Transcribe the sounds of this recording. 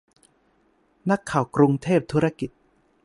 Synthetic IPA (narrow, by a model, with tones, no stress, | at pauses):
na˦˥kʰːaː˨˩wkɾu˧ŋt̪ʰeː˥˩p̚t̪ʰuː˦˥ɾa˦˥ki˨˩t̪̚